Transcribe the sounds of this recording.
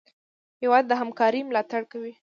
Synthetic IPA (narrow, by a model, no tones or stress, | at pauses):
hewɑd̪̚ːəɦamkɑɾimlɑt̪aɽkawi